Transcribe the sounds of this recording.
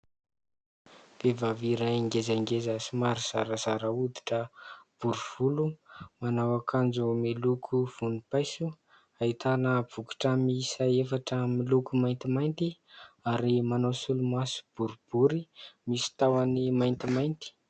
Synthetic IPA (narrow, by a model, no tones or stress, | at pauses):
v̥evaviɾaiŋɡezaŋɡezəsimaɾiz̥aɾəzaɾaud̪i̥ʈ͡ʂəb̥uɾuv̥ulumanawakʰand͡zumelukʰuv̥unipajsu | ait̪anəb̥uku̥ʈ͡ʂəmisaefaʈ͡ʂəmilukumajnt̪imajnt̪iaɾimanawsulumasu̥b̥uɾub̥uɾimisi̥t̪awanimajnt̪imajnt̪i̥